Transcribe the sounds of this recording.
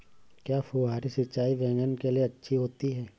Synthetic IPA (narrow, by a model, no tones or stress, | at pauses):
kjaːfoːɦaːɾisɐt͡ʃaːiʋɛ̃ːŋɡənkelieɐtːʃʰiɦoːt̪iɦɛː